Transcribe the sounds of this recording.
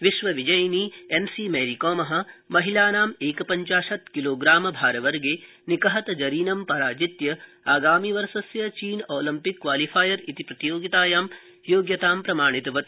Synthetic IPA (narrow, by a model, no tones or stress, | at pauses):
ʋiʃʋɐʋid͡ʒɐjniːensiːmeːɾikɔːmɐɦɐ̆mɐɦilaːnaːmeːkɐpɐɲt͡ʃaːʃɐt̪kiloːɡɾaːmɐbʱaːɾɐʋɐɾɡeː | nikɐɦɐt̪ɐd͡ʒɐɾiːnɐmpɐɾaːd͡ʒit̪jɐ | aːɡaːmiʋɐɾʃɐsjɐt͡ʃiːnoːlɐmpikːʋaːlifʰaːjɐɾit̪ipɾɐt̪joːɡit̪aːjaːm | joːɡjɐt̪aːmpɾɐmaːɳ̃it̪ɐʋɐt̪